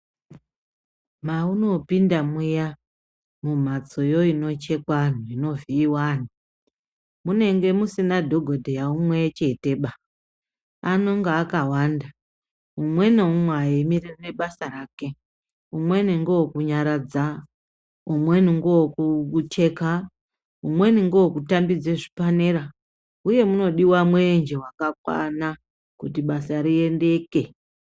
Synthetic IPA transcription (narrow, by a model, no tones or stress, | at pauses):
mauno̞pindamuja | mum̤at͡so̞jo̞ino̞t͡ʃe̞kwan̤uino̞viːwaːn̤u | mune̞ŋɡe̞musinadʱo̞ɡʱodʱejaumwet͡ʃe̞te̞ɓa | ano̞ŋɡaːkawanda | umwe̞neumwaimiririne̞ɓasaraːke̞ | umwe̞niŋɡookuɲaɾad͡za | umwe̞niŋɡowokut͡ʃe̞ka | umwe̞niŋɡookutambid͡zeʐipaneɾa | uje̞muno̞ɗiwamwend͡ʒewakakwa̰na | kut̬iɓasaɾie̞nde̞ke̞